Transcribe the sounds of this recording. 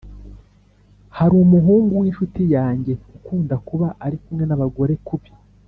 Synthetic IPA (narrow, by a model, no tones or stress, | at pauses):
haɾumuɦuːŋɡuwiːnʃutijaːɲɟe̞ukuːndakuβaʔaɾikumŋe̞naβaɡo̞ɾe̞kuβi̥